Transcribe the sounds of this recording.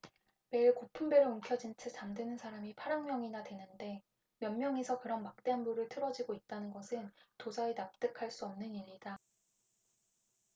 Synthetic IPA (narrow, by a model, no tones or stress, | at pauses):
me̞iɭkopʰumbe̞ɾouŋkʰjʌd͡ʑint͡ɕʰɯt͡ɕamdwenɯnsʰaɾamipʰaɾaŋmjʌŋinadwe̞nɯnde̞ | mjʌnmjʌŋesʰʌkɯɾʌnmak̚t͈eanbuɾɯɭtʰɯɾʌd͡ʑiɡoit̚t͈anɯnɡʌsʰɯntosʰaenap̚t͈ɯkʰaɭs͈uʌmnɯniɾːida